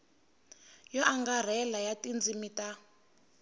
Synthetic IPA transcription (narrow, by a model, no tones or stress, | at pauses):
jɔʔaŋɡar̤ɛlajatʼind͡zimitʼa